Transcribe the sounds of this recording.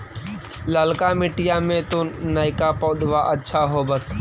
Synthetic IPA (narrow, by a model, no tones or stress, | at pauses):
ləlkamɪʈɪjamẽt̪onaːɪkapɔːd̪ʋaʔətːʃʰaɦobət̪ʰ